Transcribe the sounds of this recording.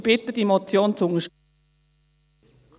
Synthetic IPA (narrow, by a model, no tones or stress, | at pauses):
b̥ɪt̪əd̥imɔt͡sjoːnt͡sʊŋəʃ